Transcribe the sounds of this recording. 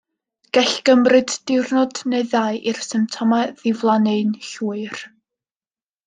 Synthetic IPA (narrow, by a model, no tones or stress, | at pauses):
ɡ̥ɛɬɡ̥əmrɨd̥ːɪwrnɔdneɨðaɨʔir̥sɪmtʰɔmaðɪvlˠanɨnɬuɨr